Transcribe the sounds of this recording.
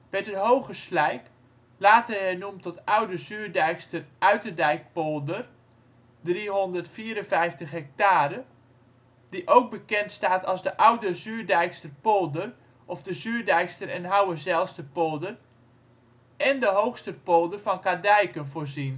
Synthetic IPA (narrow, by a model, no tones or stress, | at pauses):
ʋɛtətɦowχəslɛjk | laːtəɦɛnumtɔtawdəzyːrdɛjkstərʔœɥtədɛjk̚polˠdər | driɦɔndərtfiːəɾənfɛjftəχɦɛk̚taːɾə | diʔowk̚bəkɛntstaːtɑ̰lˠzdəʔʌwdəzyːrdɛjkstərpolˠdər | ʔɔfdəzyːrdɛjkstərɛnɦawəzɛlˠstəpolˠdər | ɛndəɦowxstəpolˠdərfɑnkadɛjkənvoːrzin